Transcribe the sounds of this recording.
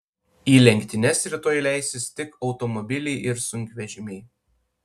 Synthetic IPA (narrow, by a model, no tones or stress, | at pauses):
iːlʲɛŋʲkʲt̪ʲɪnʲɛsɾʲɪt̪oːjlʲæˑɪsʲɪst̪ʲɪkɒʊt̪ɔmɔbʲɪlʲɛɪʔɪɾsʊŋʲkʲʋʲɛʒʲɪmʲɛɪ